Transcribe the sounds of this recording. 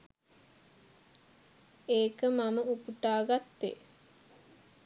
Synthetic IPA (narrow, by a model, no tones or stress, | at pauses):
eːkəmaməupuʈaːɡat̪ːḛ